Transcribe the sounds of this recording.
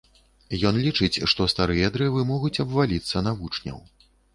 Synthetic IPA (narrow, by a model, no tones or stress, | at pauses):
jɔnlʲit͡ʂɨt͡sʲʂt̪ɔst̪aɾɨjɐd̪ɾɛvɨmɔɣut͡sʲɐbvalʲit̪sːɐnavut͡ʂnʲɐ̰w